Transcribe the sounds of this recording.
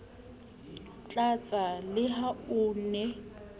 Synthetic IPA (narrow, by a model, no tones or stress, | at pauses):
t͡ɬʼat͡sʼalɪɦaʊːnɛ